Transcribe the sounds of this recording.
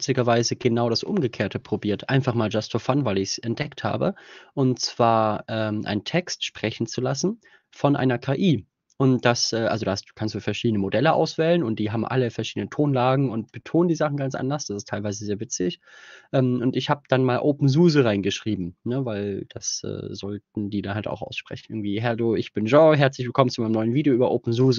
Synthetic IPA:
ɪt͡stɪɡɐvaɪzəɡ̥ənaʊɾasʔʊ̰mɡəkʰeːɐtʰəpʁ̥obiːɐtʔa̰ɪnfaχmaːld͡ʒastofanvaɪlɪçsɛntd̥ɛktha̰ːbəʔʊntt͡sv̥aːɐʔɛːmʔa̰ɪntʰɛkstʃpʁ̥ɛçn̩t͡sulasn̩ | fɔnʔa̰ɪnɐkʰaːʔiː | ʔʊnd̥asʔɛːʔalzodaːhastd̥u̥ːkʰanstd̥uːfɛɐʃiːdnəmodɛləʔa̰ʊsv̥ɛːlənʊntd̥iːɦaːbm̩ʔa̰ləfɛɐʃiːdənəntʰoːnlaːɡŋ̩ʊnt̚b̥ətʰoːnəndiːzaχn̩ɡant͡sʔa̰ndɐsd̥asɪstʰaɪlvaɪzəzeːɐvɪt͡sɪçʔɛːmʊntɪçhaːbd̥anmaːlʔoːpm̩zuːzəʁaɪnɡəʃʁ̥iːbm̩nəvaɪld̥asʔɛ̰ːzɔltn̩diːdanɦalta̰ʊxʔa̰ʊsʃpʁ̥ɛ̰çn̩ʔɪɐɡŋ̩tv̥iːɦɛɐduːɪçb̥ɪnʒɑ̃ːɦɛɐt͡slɪçv̥ɪlkʰɔmənt͡sumaɪnəmnɔʏənviːdejoʔyːbɐʔoːpm̩zuːzə

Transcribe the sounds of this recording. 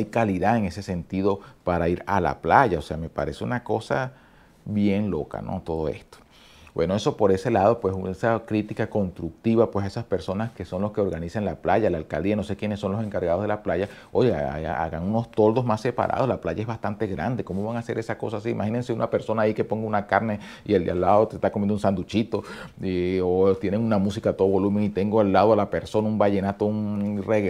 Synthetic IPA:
ajkaliðaeŋe̞se̞se̞nt̪iðo̞paɾaiɾala̰plaʝao̞se̞ame̞pa̰ɾe̞seṵnako̞sa | βje̞ŋlo̞ka̰no̞̰t̪o̞ð̞o̞e̞̰st̪o̥ | bwe̞no̞e̞so̞po̞ɾe̞se̞lað̞o̞pwe̞suesakɾit̪ikako̞nst̪ɾuk̚t̪iβapwe̞saesaspe̞ɾso̞naske̞so̞nloske̞o̞ɾɣanisaŋlaplaʝalaːlka̰ld̪ianose̞kje̞nesːo̞nlo̞se̞ŋkaɾɣað̞o̞ɦðelaplaʝa | o̞ʝea̰a̰ɣa̰ŋuno̞st̪o̞ld̪ozmasːe̞pa̰ɾʔa̰ð̞o̞slaplaʝae̞zβast̪ant̪e̞ɣɾa̰nd̪e̞ko̞mo̞βaŋase̞ɾʔe̞sako̞sasiːmaxine̞nseunape̞ɾso̞naːike̞po̞ŋɡaunakaɾne̞ | iela̰lːaðo̞t̪est̪akomjend̪unsand̪ut͡ʃit̪o̞iot̪je̞neŋunamusikat̪o̞ðoβo̞lumeŋit̪e̞ŋɡoalːaðoalape̞ɾso̞naumbaʝe̞nat̪ounreɣ

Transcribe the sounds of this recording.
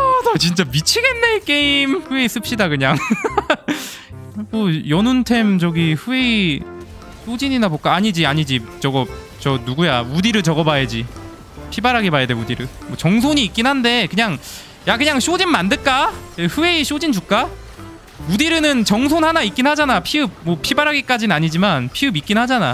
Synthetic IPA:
dʌt͡ɕint͡ɕ͈amit͡ɕʰiɡe̞nːe̞k͈e̞imɸɯeis͈ɯp̚ɕ͈idakɯɲaŋ | mojʌnuntʰe̞md͡ʑʌɡiɸɯe̞i | sʰod͡ʑiɲinabok͈aaɲid͡ʑiaɲid͡ʑit͡ɕʌɡʌp̚ | t͡ɕʌnuɡujaudiɾɯɭt͡ɕʌɡʌbajed͡ʑi | pʰibaɾɦaɡemajadeudiɾɯɭ | mwʌt͡ɕʌŋs̬ʰoɲiːk͈inɦande̞kɯɲaŋ | jakɯɲaŋs͈ʰod͡ʑinmandɯɭk͈aeɸɯe̞iɕ͈od͡ʑind͡ʑukk͈a | udiɾɯnɯnt͡ɕʌŋs̬ʰonhanaik͈inhad͡ʑanapʰiɯb̚mʌpʰibaɾɦaɡik͈ad͡ʑinɯaɲid͡ʑimanpʰiɯbik͈inhad͡ʑana

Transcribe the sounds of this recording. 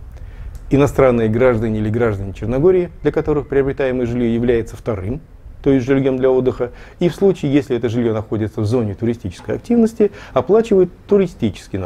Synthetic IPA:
ɪnɐst̪ɾanːɨjəɡɾaʐd̪ənʲɪilʲɪɡɾaʐd̪ənʲɪt͡ɕɪrnɐɡo̞ɾʲɪɪd̪̥lʲɐkɐt̪o̞ɾɨxpɾʲɪɐbɾʲɪt̪ajɪməjəʐɨlʲjojɪvlʲæjɪt̪səft̪ɐɾɨm | t̪o̞jɪsʲʐɨlʲjomd̪lʲɐo̞d̪ːɨxəifslˠut͡ɕɪːjesʲlʲɪɛt̪əʐɨlʲjo̞nɐxo̞dʲɪt̪səvzo̞nʲɪt̪ʊɾʲɪsʲtʲit͡ɕɪskəjɐ̰k̚tʲivnəsʲtʲɪɐplˠat͡ɕɪvəjɪt̪ːʊɾʲɪsʲtʲit͡ɕɪ̥skʲɪn

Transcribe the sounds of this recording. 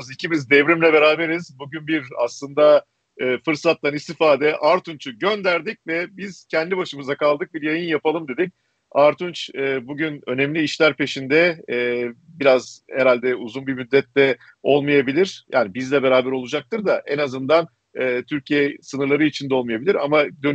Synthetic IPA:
zicʰimizd̪ɛvɾimlʲɛbeɾaːbe̞ɾiz̥buɟynbiɾa̰slˠɯnd̪a | ɯːfɯɾsat̪lːanist̪ʰifaːd̪ɛʔaɾt̪unt͡ʃʰuɟø̞nd̪æɾd̪ic̚vɛbiz̥cʰɛnd̪ibaʃɯmɯzakalˠd̪ɯk̚biɾjajɯnjapalˠɯmd̪e̞d̪ic̚ | aɾt̪ʰunt͡ʃɯːbuɟynø̞nɛmlʲiːʃlʲæɾpe̞ʃind̪ɛː | biɾazhɛɾalʲd̪ɛuzunbimyd̪ːɛt̪ːɛ | o̞lˠmajabilʲiɾ̥jʔa̰ːnibizlʲɛbe̞ɾaːbæɾo̞lˠud͡ʒak̚t̪ʰɯɾd̪aʔɛnazɯnd̪an | ɯːt̪ʰyɾcʰijɛsɯnɯɾlˠaɾɯit͡ʃʰind̪ɛo̞lˠmɯjabilʲiɾa̰mad̪ø

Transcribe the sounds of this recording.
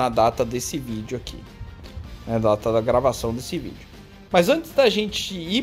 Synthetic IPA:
nɐd̪at̪ɐd̪esɪvid͡ʒʊakʰḭ | nɛd̪at̪ɐd̪ɐɡɾavasɐ̃w̃d̪esɪvḭd͡ʒʊ | mɐzɐ̃t͡ʃɪzd̪ɐʒẽnt͡ʃɪi

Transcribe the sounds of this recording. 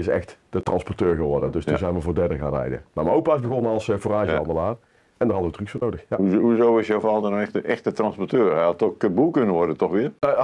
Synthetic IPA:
ɪsɛ̰xtd̥ətrɑnspɔrtøːɹɣəʋɔrdədɵstunzɛjnʋəvoːɹdɛrdəɣa̰ːnrɛ̰jdə̰mamaowpaːɪzbəɣɔnəɑlˠsforaːʒəɑ̰ndəlaːr | ɛndərɦɑdəʋətryksfoːnowdəxjauɦuzowɪsjawvɑlˠdənɛxtəʔɛxtətrɑnspɔɹtøːɹɛjɑtɔχkəbulˠkɵnəʋɔɹdətɔxʋɪːr

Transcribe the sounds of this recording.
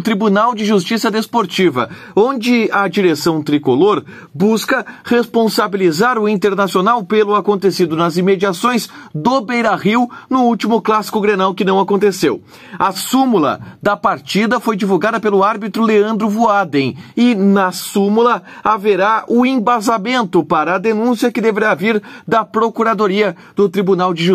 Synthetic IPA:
ʊt̪ɾibunawd͡ʒɪʒust͡ʃisɐd̪espoɾt͡ʃivɐ̰ | õnd͡ʒɪɐd͡ʒiɾesɐ̃w̃t̪ɾikoloɾ | buskɐʁespõsabilizaɾʊĩnt̪eɾnasionawpelʊakõnt̪esid̪ʊnɐzimed͡ʒiasõj̃zd̪obejɾɐʁiwnʊuwt͡ʃimʊklasi̥kʊɡɾenawkɪnɐ̃w̃akõnt̪esew | ɐsumulɐ̰d̪ɐpaɾt͡ʃid̪ɐfojd͡ʒivuɡad̪ɐpelʊaɾbit̪ɾʊleɐ̃nd̪ɾʊvuad̪ẽɪnɐsũmulɐaveɾaʊẽbazamẽnt̪ʊpaɾɐːd̪enũsiɐkɪd̪eveɾaviɾd̪ɐpɾokuɾad̪oɾiɐ | d̪ʊt̪ɾibunawd͡ʒɪʒu

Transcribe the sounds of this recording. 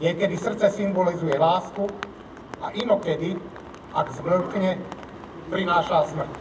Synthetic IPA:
ɲɛkɛd̪isr̩t̪t͡sɛsimbɔlizujɛlaːsku | a̰ʔinɔkɛd̪i | aɡzʋ̩lkɲɛ | pɾinaːʃasmr̩cʲ

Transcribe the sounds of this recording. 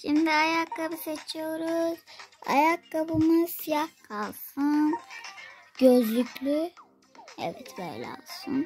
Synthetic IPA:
ʃimd̪iajakːabuset͡ʃʰijo̞ɾuz̥a̰jakːabɯmɯz̥sijahkʰalˠsɯn | ɟ̥øzlʲycʰʲlʲy | ɛ̰vɛ̰t̪bɛ̰jlʲɛ̰a̰sɯn

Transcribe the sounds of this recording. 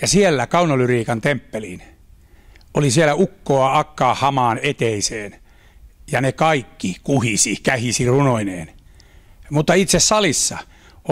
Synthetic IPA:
jɑsielːækɑunɑlyriːkɑnt̪empːelḭn | olisiælæukːoɑɑkːɑːhɑmɑːnet̪eiseːn | jɑnekɑikːikuhisikæhisirunoinḛːn | mut̪ːɑit̪sessɑlisːɑ̰

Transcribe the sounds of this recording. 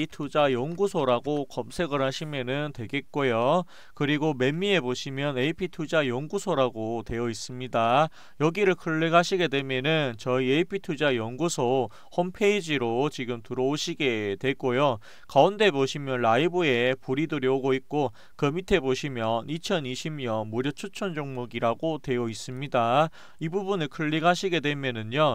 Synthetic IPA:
itʰud͡ʑajʌŋɡusʰoɾaɡokʌmsʰe̞ɡɯɾɦaɕʰimjʌnɯntwe̞ɡe̞t̚k͈ojo | kɯɾiɡome̞mːie̞boɕʰimjʌneipʰitʰud͡ʑajʌŋɡusʰoɾaɡote̞jʌis͈ɯmɲida | jʌɡiɾɯɭkʰɯɭːeɡaɕʰiɡe̞dwe̞mjenɯnt͡ɕʌieipʰitʰud͡ʑajʌŋɡusʰo | hompʰeid͡ʑiɾot͡ɕiɡɯmtɯɾʌoɕʰiɡe̞twe̞k͈ojo | kaunde̞boɕʰimjʌnɾaibue̞puɾidɯɾjʌɡoik̚k͈o | kɯmitʰe̞boɕʰimjʌnit͡ɕʰʌniɕʰimɲʌnmuɾjʌt͡ɕʰot͡ɕʰʌnd͡ʑoŋmuɡiɾaɡotwe̞jʌis͈ɯmɲida | ibubunɯɭkʰɯɭːiɡaɕʰiɡe̞dwemjʌnɯnjo

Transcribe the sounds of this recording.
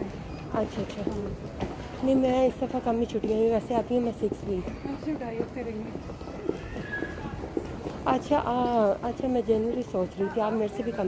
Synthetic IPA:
ɐtːʃʰaːɐtːʃʰaː | neĩmɛ̃ːɪsd̪ɐfʰakɐmit͡ʃʰʊʈĩãːɡiʋɛːseaːt̪ĩɦɛ̃mɛ̃sɪkswiːtʰʊʈaːioːt̪eɾɐĩɡe | ɐtːʃʰaʔaɐtːʃʰaːmɛ̃d͡ʒɛːnʋəlisoːt͡ʃɾəɦit̪ʰiaːpmeːɾsebʱikɐm

